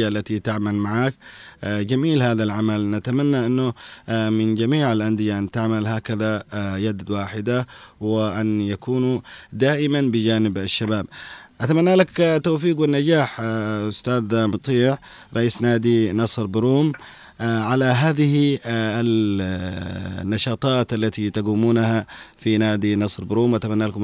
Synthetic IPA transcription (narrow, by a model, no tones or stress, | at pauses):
aʔlːat̪it̪ɪʕmalmaʕaːk̚d͡ʒamiːlhaːðalʕamalnat̪amanːaʔɪnːʊmɪnd͡ʒamiːʕalʔand̪ɪjaʔant̪ɪʕmalɦaːkaðajad̪waːħɪd̪awɪʔanjakuːnd̪aːʔɪmanbɪd͡ʒaːnɪbaʃːabaːbʔat̪amanːalakt̪ːowfiːɡwɪnːad͡ʒaːħʊst̪aːd̪mʊt̪ˤiːʕ | ɾˤɑʔiːsnaːd̪inɑsˤɾbɪɾuːm | ʕalaɦaːðɪhial | nːɑʃɑːt̪ˤɑːt̪ʔalːat̪it̪aɡuːmuːnahafinaːd̪inɑsˤɾbɾuːmʔat̪amanːaːlakʊm